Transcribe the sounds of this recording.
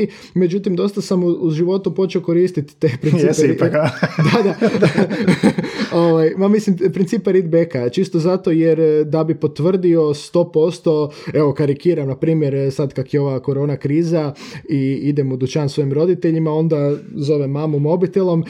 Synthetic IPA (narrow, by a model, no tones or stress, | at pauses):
med͡ʒut̪imd̪o̞st̪asamuzʒiʋo̞t̪upot͡ʃeoko̞ɾiːst̪it̪ːepɾinip | d̪ad̪a | oʋajmamislimpɾint̪siːpeɾid̪bekat͡ʃist̪o̞zat̪o̞jeɾd̪abipo̞t̪ʋr̩d̪io̞st̪o̞ːpo̞st̪o̞eʋo̞kaɾikiːɾamnapɾiːmje̞ɾsad̪kakjeo̞ʋako̞ɾo̞ːnakɾiːzaiid̪emud̪ut͡ʃansʋo̞imɾo̞d̪it̪e̞ʎimao̞nd̪azo̞ʋemaːmumo̞bit̪elo̞m